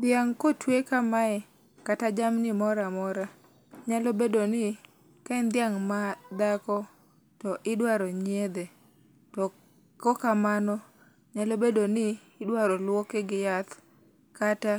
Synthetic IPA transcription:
d̪jaŋkotwekamaɛ | katad͡ʒamnɪmɔɾamɔɾa | ɲalobedonɪ | kaɛnd̪ɪjaŋmad̪akɔ | tɔʔɪdwaɾɔɲjed̪e | tɔ | kɔkamanɔ | ɲalobedonɪː | dwaɾɔlwokeɡɪjat̪ | kata

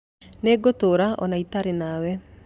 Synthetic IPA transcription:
neːɡotoɾaʔɔ̰naitaɾenawɛ

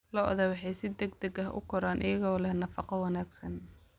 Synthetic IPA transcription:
lɔʔðɐwɑħɑjsɪd̪ɛɡd̪ɐɡɐɦʔʊ̰kʰʊɾaːnʔɪ̰jɐɣɔːlɛhnɐfɑqɔwɑnaːɡsɐn

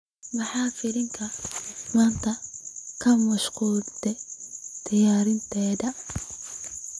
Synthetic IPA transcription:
mʊħɑːfɪɾɪŋkʰɐmaːnt̪ʰɐkʰɐmɐʃquːlt̪ʰɛt̪ʰɐjaːɾɪnt̪ʰɛːdɐ

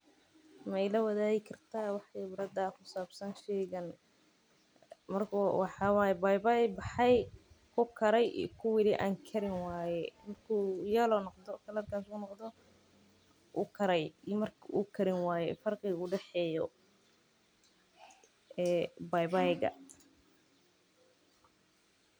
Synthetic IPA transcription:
mjlɐwɐðaːɣɪkʰɐrt̪ʰaːwɑħbɾɐd̪aːkʰʊsaːbsɐnʃɛːɣɐn | mɐrkʰwɑħɑːwaːjɛbajbajbɑħɑj | kʰʊkʰɐɾɛj̰kʰʊwɪlɪʔa̰ːŋkʰɐɾɪnwaːjɛmɐrkʰujɛːlɔnɔqd̪ɔkʰɐlɐrkʰaːsʊnɔqd̪ɔ | ʊkʰɐɾɛjmɐrkukʰɐɾɪnwaːjɛ̰fɐrqiʊɖɛħɛːjɔ | ɛːbajbajɡɐ̰

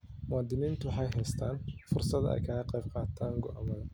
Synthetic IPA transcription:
mʊwɑːd̪ɪniːnt̪ʰʊwħɑjɦɛjst̪ʰaːnfʊrsɐd̪ɛ̰jkʰɐːɣɐqɛjb̥̚qɑːt̪ʰaːŋɡɔʔa̰mɐðɐ

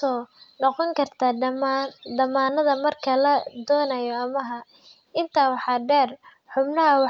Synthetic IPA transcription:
ɔːnɔqɔŋkʰɐrt̪ʰaːmd̪ɐmaːnɐðɐmɐrkʰɐlɐd̪ɔːnɐjɔɐmɐɦɐ | ɪnt̪ʰaːwɑħɑːɖɛːr | ħʊbnɐɦɐwɑ

